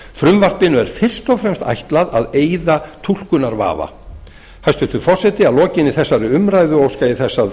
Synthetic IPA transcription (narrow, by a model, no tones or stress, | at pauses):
fɾʏmvar̥pɪnʏɛɾ̥fɪr̥st̪ɔfɾɛmst̪a̰jht̪laðaðeːjðat̪ʰul̥kʏnaɾva̰ːva̰ | hajst̪ʏt̪ʏɾfɔr̥sɛt̪ɪalɔːcɪnɪθɛsːaɾɪʏmɾajðʏoːwskaɪθɛsːa